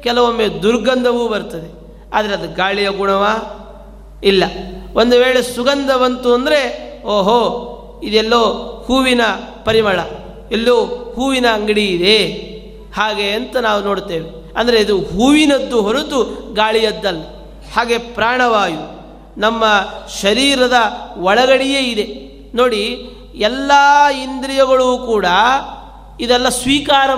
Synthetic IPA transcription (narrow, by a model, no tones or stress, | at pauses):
kɛlɐʋomːeːd̪uɾɡɐnd̪ʱɐʋuːbɐɾt̪ɐd̪e | aːd̪ɐɾeɐd̪uɡaːɭijɐɡuɳɐʋaː | ilːɐond̪uʋeːɭesuɡɐnd̪ɐʋɐnt̪uɐnd̪ɐɾeoːɦoː | id̪ɛlːoːhuːʋinɐpɐɾimɐɭɐ | ɛlːoːhuːʋinɐːŋɡɐɽiːd̪e | haːɡe̞ɐnt̪ɐnaːʋuno̞ːɽt̪eːʋe | ɐnd̪ɐɾeid̪uɦuːʋinɐd̪ːuɦoɾut̪uɡaːɭijɐd̪ːɐlːi | haːɡe̞pɾaːɳɐʋaːju | nɐmːɐʃɐɾiːɾɐd̪ɐʋɐɭɐɡɐɽijeid̪e̞ | noːɽi | ɛlːaːind̪ɾijɐɡɐɭuːkuːɽɐ | id̪ɛlːɐsʋiːkaːɾɐ